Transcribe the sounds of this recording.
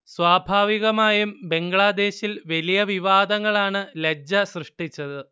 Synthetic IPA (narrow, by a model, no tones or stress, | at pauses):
swaːbʱaːʋiɣɐmaːjumbe̞ŋɡɭad̪e̞ːɕilʋɐlijɐʋiʋaːd̪ɐŋːɐɭaːɳɨled͡ʑɐsrɨʂʈit͡ɕːɐðɨ